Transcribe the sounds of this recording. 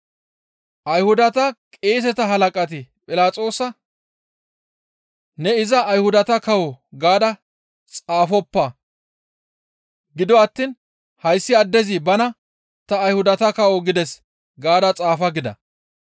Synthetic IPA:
ʔɐjhʊd̪ɐt̪ɐkʼeːs̬ɛt̪ɐɦɐlɐkʼɐt̪̬ɪpʼɪlaːt͡sʼo̞ːsɐ | nɛɪzɐːjhʊd̪ɐt̪ɐkɐwɔɡaːd̪ɐ | t͡sʼaːfɔpːɐ | ɡɪd̪ɔɐt̪ːiːn | hɐjsːɪɐd̪ːɛzibɐnɐ | t̪ɐːjhʊd̪ɐt̪ɐkɐwɔɡɪd̪ɛs | ɡaːd̪ɐt͡sʼaːfɐɡɪd̪ɐ̰

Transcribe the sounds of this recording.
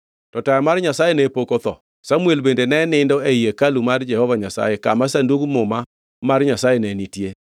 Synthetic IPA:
tɔtajɔmarɲasajenɛpokot̪ɔ̰ | samwelbendenɛnɪndɔeijekalumard͡ʒɛhɔvaɲasa̰jeka̰masanduɡmʊma | marɲasajenɛnitje

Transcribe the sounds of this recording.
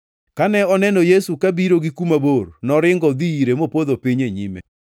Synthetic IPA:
kanɛɔnɛnɔjesukabiɾoɡikumabornɔɾɪŋɡɔd̪iːɾemopoðopiɲeɲimḛ

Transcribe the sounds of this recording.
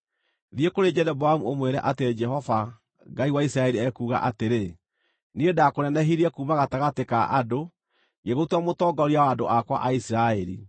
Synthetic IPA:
ðjekoɾed͡ʒɛɾɛboamuomweɾɛ̰ʔated͡ʒɛɦɔva | ɡaiwaisɾaɛɾiɛkuːɣa̰ʔateɾe | niedakonɛnɛɦiɾiɛkuːmaɣataɣateka̰ʔado | ɡeɣotwamotɔɡɔɾiawaːndoʔakwa̰ʔaisiɾaɛɾḭ

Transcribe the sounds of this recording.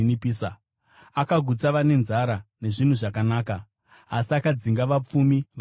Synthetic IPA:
nipiːsa | akaɡʱut͡saʋane̞nzaɾane̞ʐin̤uʐakanaːkaː | siakad͡ziŋɡaʋap͡fumiʋ

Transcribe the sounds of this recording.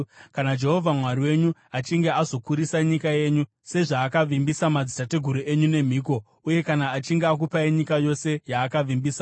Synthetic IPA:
kanad͡ʒe̞ɦo̞vʱamwaɾiwe̞ɲuat͡ʃiŋɡe̞azo̞kuɾisaɲikaje̞ːɲu | se̞ʐaːkaʋimbisamad͡zitate̞ɡʱuɾuʔe̞ɲune̞m̤iːk̬o̞ | uje̞kanaːt͡ʃiŋɡeak̬upaiɲikajo̞se̞jaːkaʋimbiːsa

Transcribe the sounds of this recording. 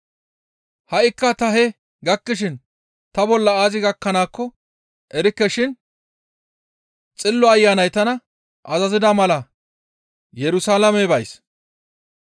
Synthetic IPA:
hɐʔɪkːɐt̪ɐɦɛ | ɡɐkːɪʃ̬ɪn | t̪ɐbɔlːɐaːzɪɡɐkːɐnaːkːɔ | ʔɛɾɪkːɛʃɪn | t͡sʼɪlːɔɐjːaːnɐjt̪ɐnɐ | ʔɐzɐzɪd̪ɐmɐlɐ | jɛɾʊsaːlɐmɛbɐjs

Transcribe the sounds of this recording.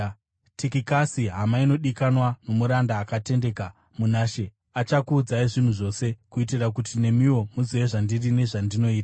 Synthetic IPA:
tikikasiɦamaino̞ɗikanwano̞muɾandaːkate̞nde̞ka | munaːʃe̞ | at͡ʃakuːd͡zaiʐin̤uʐo̞ːse̞kuitirakutine̞miwo̞muzieʐandirine̞ʐandino̞iːtaḁ

